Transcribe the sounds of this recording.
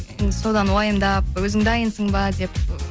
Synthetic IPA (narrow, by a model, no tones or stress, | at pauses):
sod̪anwajɯmd̪ap̚øzɨŋd̪ajinsɯŋbad͡ʑep